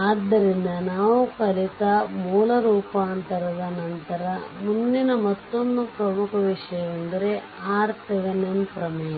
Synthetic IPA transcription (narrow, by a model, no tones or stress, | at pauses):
aːd̪ɐɾinːɐnaːʋukɐlikɐmuːlɐɾuːpaːnt̪ɐɾɐðɐnɐnt̪ɐɾɐmunːinɐmɐt̪ːonːupɾɐmukʰɐʋiʂɐjɐmund̪ɐɾe | aːɾt̪ʰiɣɐnɐmpɾɐmeː